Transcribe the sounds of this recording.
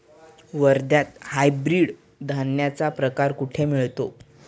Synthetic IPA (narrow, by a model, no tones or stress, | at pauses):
ʋəɾd̪jat̪̚hajbɾiɽ | d̪ʱanjat͡sapɾəkaɾkuʈʰemiɭt̪o